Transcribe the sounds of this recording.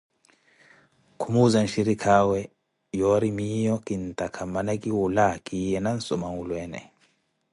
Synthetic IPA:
kʰumuzanʃiɾikʰawɛ | jɔɾimijɔkʼintʼakʰamanakʼiwulakʼijɛnan̩sɔmaŋulwɛːnɛ̰

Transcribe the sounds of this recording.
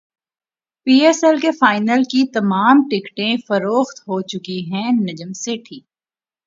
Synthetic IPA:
piːɛsɛlkefaːɪnəlkit̪ɐmaːmʈɪkʈẽfɐɾoːxt̪ɦoːt͡ʃʊkiɦɛ̃ːnɐd͡ʒəmseʈʰiːk̚

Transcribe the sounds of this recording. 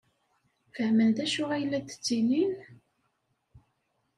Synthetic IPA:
fəhmənd̪æʃʊʁæjlːæt̪ə̥t͡sːinin

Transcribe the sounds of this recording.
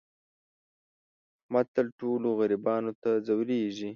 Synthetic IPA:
mat̪əlʈoloɣaɾibɑnot̪azawɾeʒi

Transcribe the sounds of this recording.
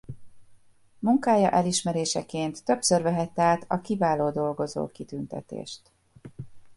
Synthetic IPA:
muŋkaːjɒ̰ʔɛliʃmɛɾeːʃɛkeːnt̪ːøpsørvɛɦɛt̪ːɛaːt̪ʰɒkivaːloːd̪o̞lɡo̞zo̰ːkit̪ynt̪ɛ̰t̪ḛːʃt̪

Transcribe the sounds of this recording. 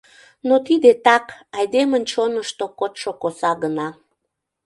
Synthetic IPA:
not̪id̪et̪ɑkɑjd̪emənt͡ɕonəʃt̪okot̪ʃokosɑɣənɑ

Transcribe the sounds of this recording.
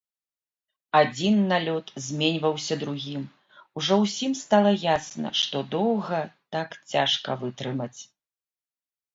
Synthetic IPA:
ad͡zʲinːalʲɔt̪zʲmʲenʲvɐwsʲɐd̪ɾuɣʲim | uʐɔwsʲimst̪alˠɐjasnɐ̰ʂt̪ɔd̪ɔwɣɐt̪akt͡sʲaʂkɐvɨt̪ɾɨmɐt͡sʲ

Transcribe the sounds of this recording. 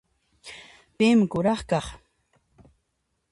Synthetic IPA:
pɪmɪkʊɾɑχkɑχ

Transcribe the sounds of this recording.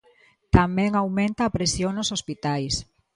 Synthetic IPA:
t̪amɛ̃ŋawmẽnt̪ɐːpɾesjoŋnosospit̪ajs

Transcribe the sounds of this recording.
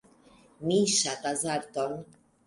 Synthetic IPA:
miːʃat̪azaɾt̪ɔn

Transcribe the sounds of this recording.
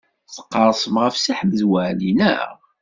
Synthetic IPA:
θə̥qːɑɾˤsˤəmʁəfsaħməzwæʕlinæ̰

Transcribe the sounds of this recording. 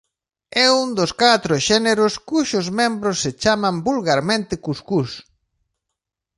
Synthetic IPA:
ɛund̪oskat̪ɾoʃɛneɾʊskuʃʊzmẽmbɾosːet͡ʃamãmbulɣaɾmẽnt̪ɪkuskus

